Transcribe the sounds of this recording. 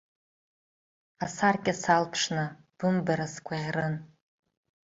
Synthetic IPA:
asarkʲʼasalpʰʂnɨ | b̥ɨmbaɾaskʷʰʼaʁʲrɨn

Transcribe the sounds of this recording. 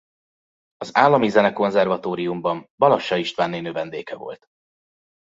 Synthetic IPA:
ɒzaːlːɒmizɛnɛko̞nzɛrvɒt̪oːɾijumbɒmbɒlɒʃːɒiʃt̪ʋaːnːeːnøvɛnd̪ḛːkɛvo̞̰lt̪

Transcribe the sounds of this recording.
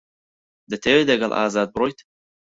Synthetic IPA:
d̪ət̪ʰɛd̪ɛɡalˠʔa̰ːzaːt̪̚bɾɔjt̪

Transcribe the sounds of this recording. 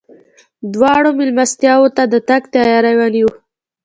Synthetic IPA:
d̪wɑɽomɪlmast̪jɑwot̪ad̪ət̪aɡt̪ɑjɑɾawaniwu

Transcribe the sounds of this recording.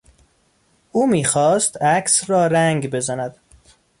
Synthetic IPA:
ʔuːmiːxɒːst̪ækʰsɾɒːɾæŋɡbe̞zænæd̪̥

